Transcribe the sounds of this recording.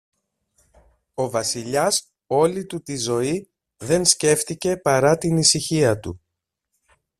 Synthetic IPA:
o̞vɐsiʎɐs | o̞lit̪ut̪izo̞i | ðe̞nsce̞ft̪ice̞pɐɾɐt̪inisiçiɐt̪ṵ

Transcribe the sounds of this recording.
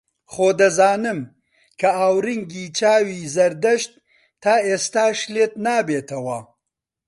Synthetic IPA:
χoːd̪ɐzaːnɨm | kʰɐaːwɾiŋɡiːt͡ʃaːwiːzɐɾd̪ɐʃt̪̚ːʰ | aːeːst̪aːʃleːt̪naːbeːt̪ɐwɐ

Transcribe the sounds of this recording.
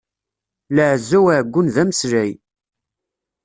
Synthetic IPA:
ləʕzːæwaʕɡʷːʊnðæməsɾæj

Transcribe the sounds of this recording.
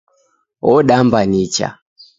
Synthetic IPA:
ɔɗambanit͡ʃa̰

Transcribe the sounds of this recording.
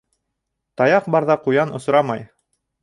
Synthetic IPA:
t̪ɑjɑqbɑɾðɑqujɑnŏsɾɑmɑj

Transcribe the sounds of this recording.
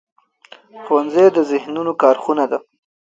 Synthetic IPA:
xowanzed̪əzɪhnunokɑɾxunad̪a

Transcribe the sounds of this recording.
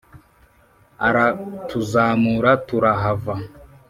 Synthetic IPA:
aɾatuzaːmuɾatuɾaɦava

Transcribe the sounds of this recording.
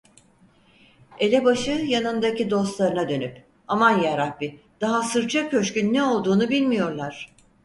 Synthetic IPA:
e̞lʲɛbaʃɯjanɯnd̪acid̪o̞st̪lˠaɾɯnad̪ø̞nyp | amanjaɾabi | d̪̥aɦasɯɾt͡ʃʰakʰːø̞ʃkynːɛo̞lˠd̪uːnubilʲmijo̞ɾlˠaɾ̝̥

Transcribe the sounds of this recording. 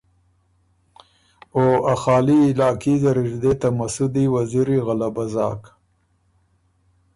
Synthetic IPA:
oaxɑːliːlɑːkizaɾɪʒd̪et̪amasud̪iwaziɾiɣalabazɑ̰ːk

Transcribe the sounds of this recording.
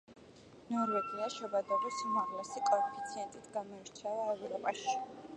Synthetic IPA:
nɔɾvɛɡiaʃɔbad̪abisumaʁlɛsikʼɔɛpʰi̥t̪sʰiɛnt̪ʼit̪ʰɡamɔiɾt͡ʃʰɛlˠaɛvɾɔpʼaʃi̥

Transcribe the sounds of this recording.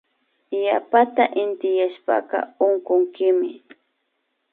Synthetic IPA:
japat̪aʔɪnt̪ɪjaʃpɑ̰qɑ̰ʊŋkʊŋkɪmɪ

